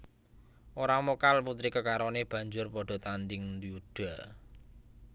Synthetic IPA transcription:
ʔoɾamokalput̪ɾikəkaɾɔneb̥ä̤ɲd͡ʒʊrpɔɖ̥ɔ̤t̪and̪ɪŋnd̪iuɖ̥a̤

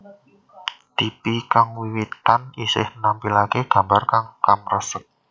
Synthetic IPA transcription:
t̪ipikaŋwiwit̪anisɪhnampilakeɡ̥a̤mbarkaŋkamrasət̪̚

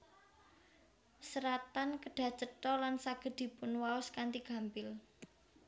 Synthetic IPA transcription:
səɾat̪ankəɖ̥ä̤t͡ʃətɔlansaɡ̥ə̤d̪̥i̤pʊnwaʊskant̪iɡ̥ä̤mpɪl

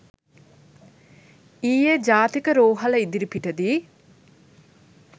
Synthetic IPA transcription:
iːjed͡ʒaːt̪ikəɾoːɦɐlɐid̪iɾipiʈɐd̪i

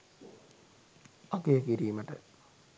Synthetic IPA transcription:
akejəkiɾiːməʈə

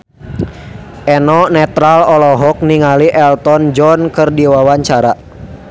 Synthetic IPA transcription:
ʔɛnɔnɛt̪ɾalɔlɔɦɔk̚niŋaliʔɛlt̪ɔnd͡ʒɔnkɨrdiwawaɲt͡ʃaɾa

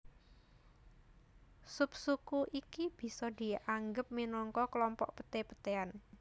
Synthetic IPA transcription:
sup̚sukuʔikib̥i̤sɔd̪i̤ʔaŋɡəp̚minɔŋkɔklɔmpɔʔpə̥t̪epə̥t̪ean

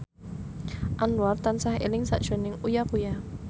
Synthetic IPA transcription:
ʔanuart̪ansahḛlɪŋsa̰ʔʒ̥o̤nɪŋujakuja

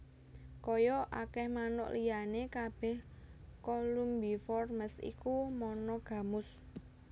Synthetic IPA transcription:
kɔjɔʔakɛhmanʊ̰ʔlʔijanekab̥ɛhkolumbifɔrməsḭkumɔnɔɡ̥a̤mʊs

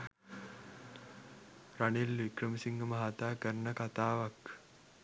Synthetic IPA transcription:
ranelʋikrəmisiŋɡəmaɦat̪aːkəɾnəkat̪aːʋak

